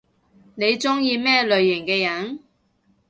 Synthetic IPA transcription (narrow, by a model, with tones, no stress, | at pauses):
ne˨˧jt͡sʊ˥ŋjiː˧mɛː˥lɵ˨ɥːɪ˨˩ŋkɛː˧jɐ˨n